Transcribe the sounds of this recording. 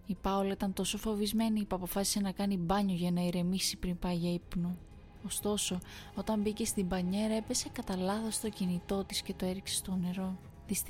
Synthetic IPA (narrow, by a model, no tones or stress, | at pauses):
ipɐolɐit̪ɐnt̪o̞so̞fo̞vizme̞nipɐpo̞fɐsi̥se̞nɐkɐnibɐɲo̞ʝɐnɐiɾe̞misipɾimpɐʝɐipnu | ost̪o̞so̞o̞t̪ɐmbice̞st̪ibɐɲe̞ɾɐe̞pe̞se̞kɐt̪ɐlɐθost̪o̞cinit̪o̞t̪isce̞t̪o̞e̞ɾikse̞̥st̪o̞ne̞ɾo̞ | ðis